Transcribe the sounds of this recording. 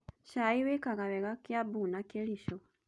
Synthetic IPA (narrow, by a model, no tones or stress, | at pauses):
ʃaiwekaɣaβeɣakjabuːnakeliʃo